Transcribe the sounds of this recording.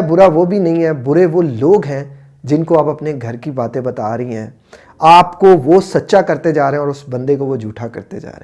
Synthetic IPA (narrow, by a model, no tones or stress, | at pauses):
bʊɾaʋobʱinɐɦĩɦɛːbʊɾeʋoloːɡɦɛ̃ | d͡ʒɪnkoaːpɐpneɡʱɐɾkibaːt̪ẽbɐt̪aːɾɐɦiɦɛ̰̃ː | aːpkoʋosɐtːʃakɐɾt̪ed͡ʒaːɾɐɦeɛ̃ɔːɾʊsbɐ̃nd̪ekoʋod͡ʒʱuːʈʰakɐɾt̪ḛd͡ʒa̰ːɾẽ